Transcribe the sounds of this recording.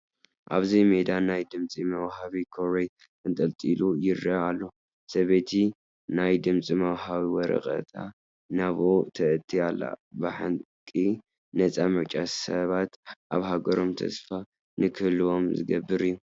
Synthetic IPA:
ʔa̰βzimed̪anajd̪ɨmt͡sʼimɐwhaβikʰoɾej | ɨnt̪ʼɐlt̪ʼilujɪrɐalːo̞ | sɐβet̪ʰi | najd̪ɨmt͡sʼimɐwhaβiwɔɾɐ̰χʼɐ̰t̪ʰa | naβʔot̪ʰɐʔɨt̪ʰːialːa̰bɨħan | kʼi | nɐt͡sʼamɨɾt͡ʃʼasɐβat̪ʔaβɦaɡɐɾo̞mt̪ʰɐ̰sfa | nɨkʰɨlɨo̞mzɨ̰ɡɐbːɨɾijːu

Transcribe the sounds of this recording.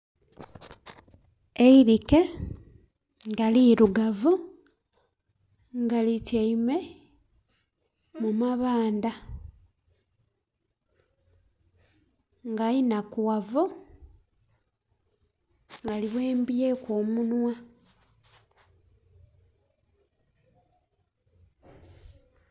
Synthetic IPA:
eiɾike | ŋɡaliɾuɡavu | ŋɡaliceime̞ | mumaβaːnd̪a | ŋɡainakuwavu | ŋɡaliβwe̞ːmbijekwoːmunwa

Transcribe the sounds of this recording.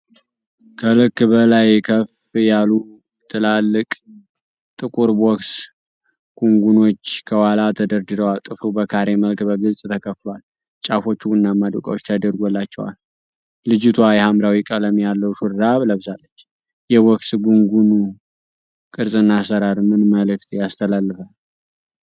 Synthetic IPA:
kʰəlɨkːbəlajkʰəf | jalu | t̪ʰɨlalːɨkʼ | t̪ʼɨkʼuɾbɔks | ɡ̥uŋɡuno̞t͡ʃːkʰəwalat̪ʰəd̪əɾd̪ɨd̪əwalt̪ʼɨfɾubəkʰaɾe̞məlkbəɡɨlsʼt̪ʰəkʰəflwal | t͡ʃʼafo̞t͡ʃːuɨnːaməd̪ṵkʼə̰wot͡ʃːt̪ʰəd̪əɾɡolːat͡ʃːɛwa̰lː | ɨd͡ʒɪt̪ʰwajɛhamɾawikʼələmjalːəwʃuɾdaβləβɨzalːət͡ʃː | jɛwɔkʼsɡuŋɡunu | kʼɨɾsʼɨnːasəɾaɾmɨnməlɨk̚t̪ʰjast̪ʰəlalːɨfal

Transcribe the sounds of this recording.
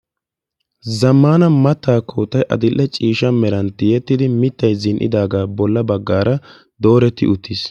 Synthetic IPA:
zɐmːaːnɐmɐt̪ːaːkʰoːt̪ːɐjʔɐ̰d̪ɪlʔːɛt͡ʃʼiːʃɐmɛɾɐnt̪ɪjɛt̪ːɪd̪ɪmɪt̪ːɐjzɪnʔɪ̰d̪aːɡaːbɔlːɐbɐɡːaːɾɐ | d̪o̞ːɾɛt̪ːɪ̰ʊt̪ʰːɪs

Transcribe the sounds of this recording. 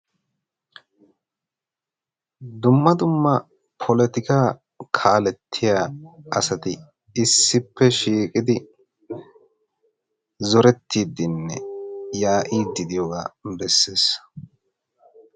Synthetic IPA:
d̪ʊmːɐd̪ʊmːɐ | pʰɔlɛt̪ɪkaː | kʰaːlɛt̪ʰːɪjaːɐsɐt̪ɪ | ɪsːɪpːɛʃiːkʼɪd̪ɪ | zɔɾɛt̪ːiːd̪ɪnːɛ̰jaːʔiːd̪ɪd̪ɪjoɡa̰ːbɛsːe̞ːs

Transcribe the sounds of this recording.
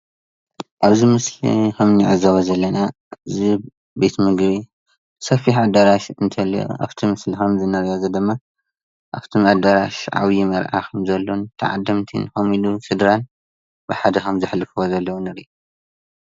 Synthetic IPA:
ʔaβzimɨslḭkɐmniʕa̰zaβɐzɐlːɐna | ɨzi | be̞t̪mɨɡβi | sɐfiħʕad̪aɾaʃɨnt̪ʰɐlḭʔa̰βt̪ʰimɨslixɐmzɨnɐɾjazɐd̪ɨmːa | ʔaβt̪ʰimʔad̪aɾaʃʕa̰wjimɐɾʔa̰kʰɐmzɐlːont̪ʰɐʕa̰d̪ːɐmt̪ʰḭnxomilusɨd̪ɾan | bɨħad̪ɐxɐmzɨħlɨfozɐlːɐwunɨɾiʔu

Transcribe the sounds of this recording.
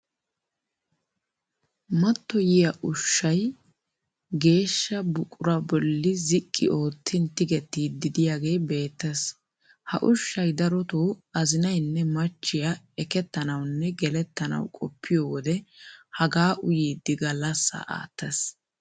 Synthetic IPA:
mɐt̪ːɔjɪjɐʔʊʃːɐj | ɡe̞ːʃːɐbʊkʼʊɾɐbɔlːɪzɪkʼːɪ̰o̞ːt̪ʰːɪnt̪ːɪɡɛt̪ːiːd̪ɪd̪ɪjaɡe̞ːbe̞ːt̪ːɛs | hɐ̰ʔʊʃːɐjd̪ɐɾɔt̪oːɐzɪnɐjnːɛmɐt͡ʃːɪjɐ | ɛkɛt̪ːɐnɐwnːɛɡɛlɛt̪ːɐnɐ̰wkʼɔpʰːɪjoːwɔd̪ɛhɐɡaːʔʊjiːd̪ːɪɡɐlːɐsːɐ̰ʔa̰ːt̪ːɐs

